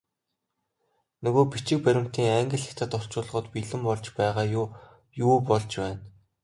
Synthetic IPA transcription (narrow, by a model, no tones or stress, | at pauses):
nɵɣoːpit͡ɕɪ̆k̚pæɾʲɪ̆m̥t̪iːŋæŋɡʲɪ̆ɮɘ̆xt̪ʰə̆t̪ʊɬt͡ɕʊːɮ̆ʁɞ̆t̪piɮɘ̆mpɔɮt͡ɕpæːʁaːj | juːpɔɮt͡ɕpæːn